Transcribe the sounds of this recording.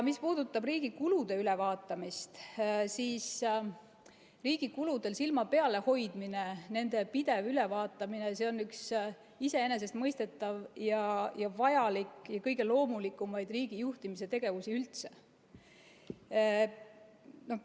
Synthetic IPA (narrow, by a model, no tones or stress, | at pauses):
mispuːd̪̥ut̪ːˑɑbriːɡ̥ikulud̪̥e̞yle̞vɑːt̪ːˑɑmist̪siːs | riːɡ̥ikulud̪̥e̞lsilmɑpe̞ɑle̞ho̞jd̪̥minene̞nd̪̥e̞pid̪̥e̞vyle̞vɑːt̪ːˑɑminese̞o̞nːyks | ise̞e̞ne̞s̬e̞st̪mɤjst̪e̞t̪ːˑɑvjɑjɑvɑjɑlikˑjɑkɤjɡ̥e̞lo̞ːmulikːˑumɑjd̪riːɡ̥ijuht̪imise̞t̪e̞ɡ̥e̞vusiylt̪se̞̥ | no̞